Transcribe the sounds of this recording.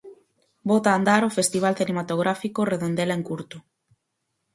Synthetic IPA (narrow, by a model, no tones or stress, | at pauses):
bot̪aːnd̪aɾofest̪iβ̞alθinemat̪oɣɾafikoreðond̪eleŋkuɾt̪ʊ